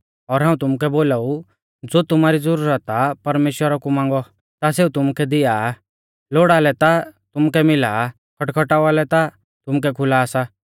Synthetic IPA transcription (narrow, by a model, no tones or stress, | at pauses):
ɔːɾɦãːũt̪ʊmukɛboːlau | d͡zoːt̪ʊmaːɾid͡zɐɾuːɾət̪apɐɾmeːʃwəɾakumãːŋ̆ɡɔ | t̪aseːut̪ʊmukʰɛd̪ɪjaː | loːɽalɛt̪at̪ʊmukɛmɪlaː | kʰɔʈkʰɔʈaʊalɛt̪a | t̪ʊmukɛkʰʊlaːsa